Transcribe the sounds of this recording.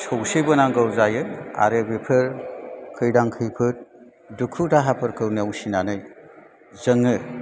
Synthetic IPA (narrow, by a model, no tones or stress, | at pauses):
sʰowsibɯnaŋɡɯwzajɯa̰ɾɯbepʰɯɾkʰɯjdaŋkʰɯjpʰɯt̚ | dukʰutaɦapʰɯɾkʰɯwniawsinanɯj | zɯŋɯ